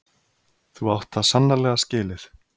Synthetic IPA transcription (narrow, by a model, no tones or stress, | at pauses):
θuawht̪θaðsanːalɛɣascɪːlɪɾ̥